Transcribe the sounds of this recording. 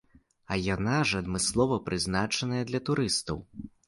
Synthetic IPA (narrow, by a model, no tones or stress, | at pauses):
ɐjanaʐɐd̪mɨslˠɔvɐpɾɨznat͡ʂɐnɐjɐd̪lʲɐt̪uɾɨst̪ɐw